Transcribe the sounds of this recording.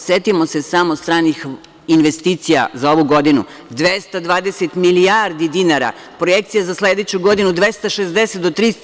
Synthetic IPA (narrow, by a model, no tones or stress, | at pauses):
sjet̪imosesamost̪ɾaːnix | inʋest̪iːt̪sija̰zao̞ʋuɡo̞d̪inṵ | d̪ʋest̪ad̪ʋaːd̪eset̪milijaɾd̪id̪inaɾa̰ | pɾojekt̪sijazasled̪et͡ɕuɡo̞d̪inud̪ʋest̪aʃezd̪eset̪d̪ot̪ɾis